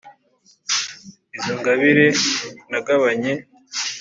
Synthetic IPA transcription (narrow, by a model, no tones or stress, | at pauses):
izoŋɡaβiɾenaɡaβaɲe̞